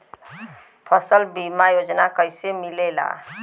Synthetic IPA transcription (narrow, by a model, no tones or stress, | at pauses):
pʰʌsəlbimajod͡ʒnakʌjsemilela̰